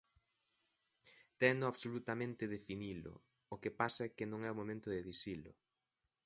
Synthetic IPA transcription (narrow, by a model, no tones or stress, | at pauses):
t̪ɛnʊaβsolut̪amẽnt̪ɪðefinilʊ̰ | okepasɐɛkɪnõŋɛomomẽnt̪ʊðeðisilʊ̰